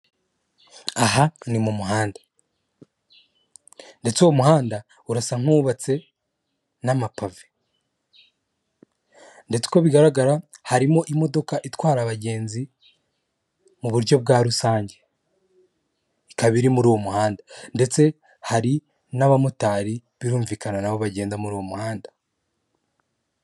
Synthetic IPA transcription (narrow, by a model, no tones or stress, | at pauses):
aɦanimumuɦaːnda | nde̞t͡suwomuhaːnda | uɾasaŋ̥uːβat͡se̞ | namapave | nde̞t͡se̥ko̞βiɡaɾaɡaɾahaɾimo̞ʔimo̞do̞kaʔitwaːɾaβaɟe̞ːnzi | muβuɾɟo̞b̚ɡaːɾusaːɲɟe̞ | ikaβiɾimuɾuːwomuhaːndande̞t͡se̞ | haɾi | naβamutaːɾiβiɾuːɱviːkananaβo̞βaɟeːnzamuɾuːwo̞muhaːndḁ